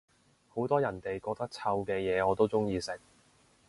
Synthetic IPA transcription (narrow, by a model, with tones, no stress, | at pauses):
ho˨˥wt̪ɔː˥jɐ˨˩nt̪e˨jkɔː˧k̚t̪ɐ˥k̚t͡sʰɐ˧wkɛː˧jɛː˨˧ɔː˨˧t̪o˥wt͡sʊ˥ŋjiː˧sɪ˨k̚